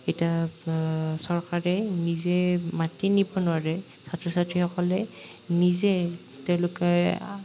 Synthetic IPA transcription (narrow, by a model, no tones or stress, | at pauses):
etia | sɔɹkaɹɛnizɛmatinibɔnʊwaɹɛ | satɹɔsatɹixɔkɔlɛ | nizɛ | tɛʊ̃lʊkɛ